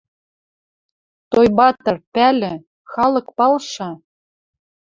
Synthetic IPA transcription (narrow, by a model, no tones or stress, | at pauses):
t̪ojbɑt̪ɤ̆rpælɘ̆ | xɑlɤ̆kpɑlʃɑ